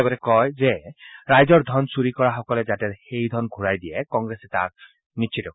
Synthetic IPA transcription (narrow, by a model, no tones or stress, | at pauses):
ɡɔtɛkɔjzɛɹajzɔɹdʱɔnsuɹikɔɹaxɔkɔlɛzatɛxejdʱɔnɡʱuɹajdijɛkɔŋɡɹesɛta̰ɹ | nitt͡ʃʰitɔk